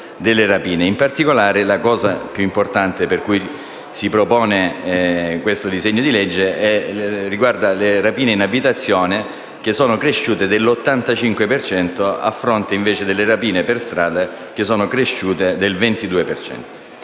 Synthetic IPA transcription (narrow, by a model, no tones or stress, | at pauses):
d̪elːerapiːneimpart̪ikolaːɾelakɔːzapjuimport̪ant̪eperkuj | sipɾopɔːneɛkwest̪od̪izeɲːod̪iled͡ʒːeɛriɡward̪alerapiːneinabit̪at̪sːjɔːne | k̟esːɔːnokɾeʃːuːt̪ed̪elːot̪ːant̪at͡ʃiŋkwepert͡ʃɛnt̪oa̰fːɾont̪eiɱveːt͡ʃed̪elːerapiːneperst̪ɾaːd̪a | k̟esːɔːnokɾeʃuːt̪ed̪elvent̪id̪uːepert͡ʃɛ̰nt̪o̥